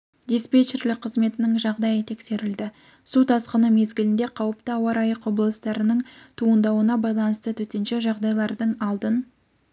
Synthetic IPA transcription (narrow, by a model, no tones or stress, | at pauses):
d̪ʲespet͡ʃerlɪk̚qʰəzme̞t̪ɪnɪŋʒɑʁd̪ɑjət̪ʰe̞kse̞ɾɪld̪ɪ | sut̪ʰɑsqənəme̞zɡʲɪlɪnd̪e̞qʰɑwəpt̪əɑwɑɾɑjəqwo̞blˠəst̪ɑɾənəɴt̪ʰuənd̪ɑwənɑbɑjlˠɑnəst̪ət̪ʰɵt̪e̞nʃe̞ʒɑʁd̪ɑjlˠɑɾd̪əɴɑlˠd̪ən